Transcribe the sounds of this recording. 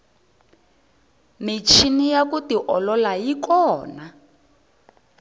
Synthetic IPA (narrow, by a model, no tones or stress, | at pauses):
mit͡ʃʰinijakutiʔɔlɔlajikɔːna